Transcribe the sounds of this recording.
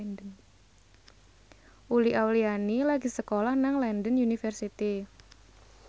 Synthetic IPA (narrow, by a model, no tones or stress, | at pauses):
ndən | ʔuliʔawlianilaɡisəkolahnaŋlɛndənjunifərsit̪i